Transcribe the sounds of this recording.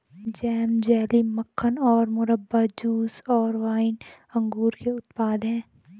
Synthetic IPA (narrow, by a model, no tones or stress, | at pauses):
d͡ʒɛːmd͡ʒɛːliməkʰːənɔːɾmʊɾəbːad͡ʒuːsɔːɾʋaːɪn | ɐ̃ŋɡuːɾkeʊt̪paːd̪ɦɛ̃ː